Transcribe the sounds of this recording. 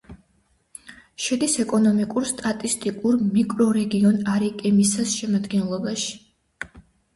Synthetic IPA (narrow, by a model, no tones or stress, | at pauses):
ʃɛd̪isɛkʼɔnɔmikʼuɾst̪ʼat̪ʼist̪ʼikʼuɾmikʼɾɔɾɛɡiɔnaɾikʼɛmisasʃɛmad̪ɡɛnlˠɔbaʃi̥